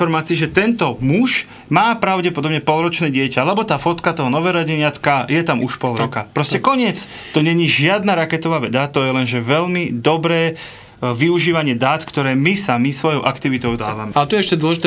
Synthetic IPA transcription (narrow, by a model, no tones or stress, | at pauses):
ɔɾmaːt͡siɛʒɛt̪ɛnt̪ɔmuʒ | maːpɾaʊɟɛpɔd̪ɔbɲɛpɔlɾɔt͡ʃnɛːɟɪɛcalɛbɔt̪aːfɔt̪kat̪ɔɦɔnɔʋɛːɾɔɟiɲɪat̪kajɛt̪amuʃpɔlɾɔkapɾɔscɛkɔɲɪɛt͡s | t̪ɔɲɛɲiʒɪad̪naɾakɛt̪ɔʋaːʋɛd̪at̪ɔjɛlɛnʒɛʋɛʎmid̪ɔbɾɛː | ʋiuʒiːʋaɲɪɛd̪aːt̪kt̪ɔɾɛːmisamisʋɔjɔʊʔakt̪iʋit̪ɔʊd̪a̰ːʋamɛat̪ɔjɛɛʃcɛd̪wɔlɛʒit̪